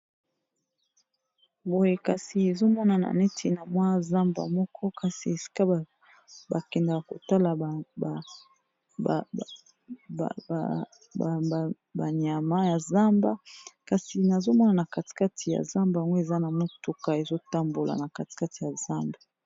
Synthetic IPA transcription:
bo˨je˨ka˨si˨e˨zo˦mɔ˦na˨na̰˨ne˦tʰi˨na˨mwa˦˨za˦mba̰˨mɔ˦kʰɔ˦ka˨si˨e˨si̥˦ka˦˨ | ba˨kɛ˨nda˨ka˨ko˨ta˦la˨ | ba˨ɲ˨a˨ma˦ja˨za˦mba˦ka˨si˨na˨zo˦mɔ˦na˨na˨ka˨ti̥˨ka˦tʰi˨ja̰˨za˦mba˨a˨ŋɡo˦e˨za˦na˨mo˦tu˦ka˨e˨zo˦ta˦mbo˨la̰˨na˨ka˨ti̥˨ka˦ti˨ja˨za˦mba˨

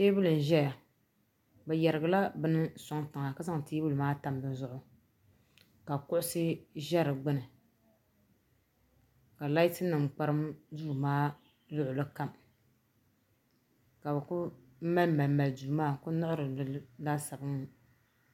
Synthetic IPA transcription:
teː˦bɨ˦lɨ˨n̩˨ʒɛ˦ja˨ | bɛ˨jɛ˨ɾɨ˨ɡɨ˨la˦bɨ˦n˦sa˦ŋta˨ŋa˨ka˦za˦ŋ˨tiː˦bɨ˦lɨ˨maː˦ta˨mbɨ˦n˦zʊ˦ʔʊ˦ | ka˨kʊ˦ʔʊ˦sɨ˦ʒɛ˦ɾɨ˨ɡ͡bɨ˦nɨ˨ | ka˨la˦jtɨ˦nɨ˨ŋ͡m̩˨k͡pa˦ɾɨ˦mduː˦˨maː˦ | lʊ˦ʔʊ˨lɨ˦ka˦m | ka˨bɨ˨kʊ˦ | ma˦lma˨lma˨lduː˨maː˦kʊ˦nʊ˦ʔʊ˦ɾɨ˨lɨ˨˦daː˦sa˨bɨ˦ŋ˦

